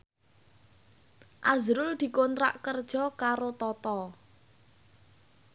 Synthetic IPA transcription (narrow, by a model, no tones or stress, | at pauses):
ʔazɾʊld̪̥i̤kont̪ɾa̰ʔkərd̥ʒ̥ɔkaɾot̪ɔt̪ɔ